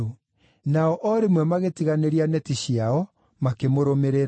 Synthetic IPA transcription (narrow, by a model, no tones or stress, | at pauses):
o | naɔʔɔɾemwɛmaɣetiɣaneɾianɛtiɕiaɔ | makemoɾomeɾeɾ